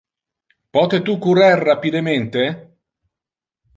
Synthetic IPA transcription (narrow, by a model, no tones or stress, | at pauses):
pɔt̪et̪ukuɾarːapid̪ement̪e